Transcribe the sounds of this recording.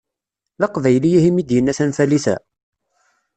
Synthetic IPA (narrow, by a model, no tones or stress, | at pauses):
ðɑqvæjlijihimid̪jənːæsænfælisæ̰